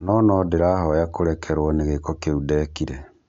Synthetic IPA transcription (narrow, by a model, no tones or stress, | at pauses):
nɔnɔdeɾaɦɔjakoɾɛkʰɛɾwɔneɣekɔkeudɛkiɾɛ